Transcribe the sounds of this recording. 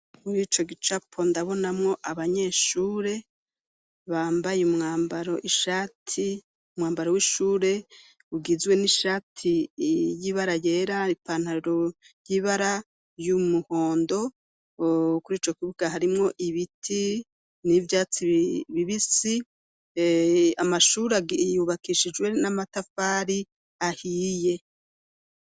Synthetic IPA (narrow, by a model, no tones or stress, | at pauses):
muɾiːt͡ʃo̞ɡit͡ʃapʰo̞ndaβo̞namŋo̞ʔaβaɲe̞ʃuːɾe̞ | βaːmbajeumŋaːmbaɾo̞ʔiʃatʰi | umŋaːmbaɾo̞wiʃuːɾe̞ | uɡizwe̞niʃatʰijiβaɾaje̞ɾaipaːn̥haɾiɾo | jiβaɾa | jumuho̞ːndo̞ | kuɾiːt͡ʃo̞kiβuɡ̥ahaɾimŋo̞ʔiβitʰi | nivjaːt͡siβiβisi | amaʃuːɾeaɡjuβakiʃid͡ʒɡwe̞namatafaːɾi | ahiːje̞